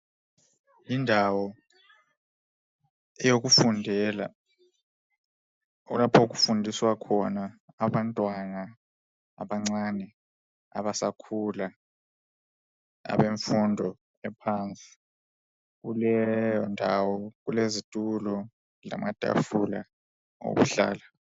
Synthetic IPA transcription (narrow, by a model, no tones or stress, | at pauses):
jindʱawɔ | ɛjok̬ufundʱɛla̰ | lapʰauk̬ufundʱiswakʰɔnaː | ɓantʼwana | a̰ɓaŋ͡ǀanɛ | a̰βasakʰula | a̰βeɱfundʱɔ | ɛpʰant͡sʼi̥ | ɣulɛjɔndʱawɔɣulezitʼulɔ | la̰mad̥ʱʼa̰fula̰ | o̰βṵɬa̰ːla